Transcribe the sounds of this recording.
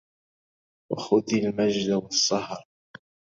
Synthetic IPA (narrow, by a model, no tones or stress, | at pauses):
wa̰xʊd̪almad͡ʒd̪awɑsˤːɑhɾˤ